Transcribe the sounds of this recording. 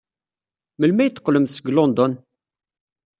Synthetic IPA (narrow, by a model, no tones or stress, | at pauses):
məlmæjət̪ːə̥qːləmθsəɡlond̪ɔn